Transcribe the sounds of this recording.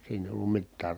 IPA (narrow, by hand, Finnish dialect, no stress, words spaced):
siːnæ eˑi̯ olːum mitːæːr